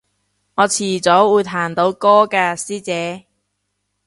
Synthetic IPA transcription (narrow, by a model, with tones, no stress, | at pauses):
ŋɔː˨˧t͡sʰiː˨˩t͡sɔː˨˥wuː˨˧jt̪ʰaː˨˩nt̪o˨˧wkɔː˥kaː˧siː˥t͡sɛː˨˥